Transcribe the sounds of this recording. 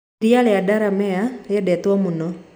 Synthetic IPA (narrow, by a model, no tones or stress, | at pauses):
ɾialeadaɾamɛalɛdɛt̪wɔmunɔ